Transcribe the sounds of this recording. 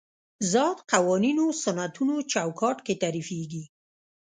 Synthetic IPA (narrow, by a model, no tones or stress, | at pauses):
zɑt̪qawɑninosanat̪unot͡ʃawkʰɑʈket̪aɾifeɡi